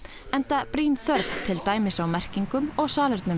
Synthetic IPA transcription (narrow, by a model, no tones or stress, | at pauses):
ɛnt̪apɾiːnθœɾpt̪ʰɪlt̪aːjmɪsawmɛr̥ciŋkʏmɔɣsaːlœɾt̪nʏ